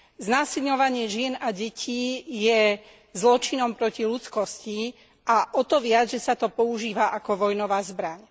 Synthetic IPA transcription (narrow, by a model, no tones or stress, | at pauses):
znaːsilɲɔʋaɲɪɛʒɪɛnaɟɛcʰiːjɛ | zlɔt͡ʃinɔmpɾɔcilut͡skɔsci | aʔɔt̪ɔʋɪad͡zʒɛsat̪ɔpɔuʒiːʋaʔakɔʋɔjnɔʋaːzbɾaɲ